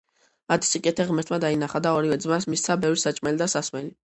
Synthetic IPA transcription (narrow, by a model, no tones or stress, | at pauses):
ad̪ʰi̥sikʼɛt̪ʰɛʁmɛɾt̪ʰmad̪ainaχad̪aɔɾivɛd̪zmasmist̪sʰabɛvɾisat͡ʃʼmɛlid̪asasmɛli